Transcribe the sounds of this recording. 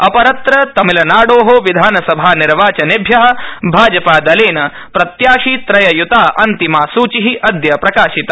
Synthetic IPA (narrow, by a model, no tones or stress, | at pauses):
ɐpɐɾɐt̪ɾɐt̪ɐmilɐnaːɽoːɦoʋid̪ʱaːnɐsɐbʱaːniɾʋaːt͡ʃɐnibʱjɐɦɐ̆bʱaːd͡ʒɐpaːd̪ɐleːnɐ | pɾɐt̪jaːʂit̪ɾɐjɐjut̪aːʔɐnt̪imaːsuːt͡ʃiɦiʔɐd̪jɐpɾɐkaːʃit̪ɐ̥